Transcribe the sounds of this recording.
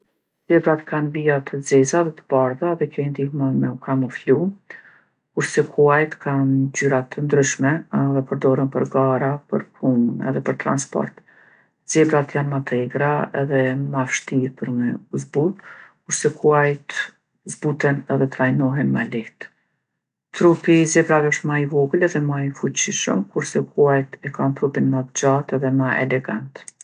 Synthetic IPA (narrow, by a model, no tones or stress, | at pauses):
zɛbɾat̪kʰanbiat̪ʰəd͡zɛzaðɛt̪ə̥b̥aɾðaðɛkɔjnd̪ihmamɛukamɔflu | kuɾsɛkʰuajt̪kʰanzyɾat̪ʰənd̪ɾyʃmɛðɛpəɾd̪ɔɾənpəɾɡaɾapəɾpʰumənɛ̰ðɛpəɾt̪ɾa̰nspɔ̰ɾt̪ | z̥ɛbɾat̪janmat̪ʰɛɡɾaɛðɛmafʃt̪iɾpəɾmɛzbulkuɾsɛkʰuajt̪ | zbut̪ɛnɛðɛt̪ɾajnɔɦɛnmaliht̪ | t̪ɾupizɛbɾavɛɔʃt̪maivɔɡulɛðɛmaifut͡ɕiʃə̰mkuɾsɛkʰuajt̪ɛkant̪ɾupinmat̪d͡ʒat̪ɛðɛmaʔɛ̰lɛɡant̪